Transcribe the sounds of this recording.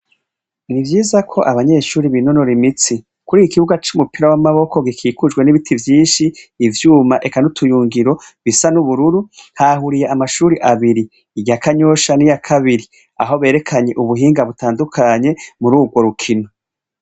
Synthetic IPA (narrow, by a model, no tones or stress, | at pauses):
nivjiːzakʰo̞ʔaβaɲe̞ʃuːɾiβino̞no̞ɾimit͡si | kuɾiːjikiβuɡat͡ʃumupiɾawamaβo̞kʰo̞ɡikʰiːkud͡ʒɡwe̞niβitʰivjiːnʃiːvjuːmaʔe̞kanutʰujuːŋɡiɾo̞βisanuβuɾuɾuhaɦuɾije̞ʔamaʃuːɾiʔaβiɾiː | ɟakaɲo̞ʃanijakʰaβiɾi | a̰ɦo̞βe̞ːɾe̞kʰaɲe̞ʔuβuɦiːŋɡaβutaːndukʰaɲe̞muɾuːɡɡwo̞ɾukʰino